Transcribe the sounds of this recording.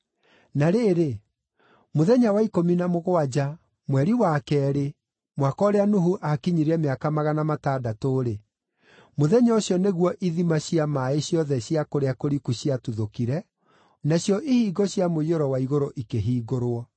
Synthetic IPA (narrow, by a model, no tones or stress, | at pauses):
naɾeːɾe | moðɛɲawaikominamoɣoad͡ʑa | mwɛɾiwakɛɾe | mwakɔːɾeanuɦuʔakiɲiɾɛmeakamaɣanamataːdatoɾe | moðɛɲaoɕjɔneɣwɔʔiðimaɕiamaeɕjɔðɛɕiakoɾeakoɾikuɕiatuðokiɾɛ | naɕjɔʔihiːɡɔɕjamoioɾɔwaiɣoɾoʔikeɦiːɡoɾwɔ